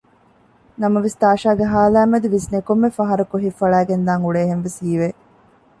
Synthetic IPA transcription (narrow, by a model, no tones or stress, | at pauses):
nɐmɐʋist̪aːʃaːɡeɦaːlæːmɐd̪uʋisnekomːefɐɦɐɾɐkoɦifɐɭæːɡend̪aːŋuɭeːɦenʋishiːʋeː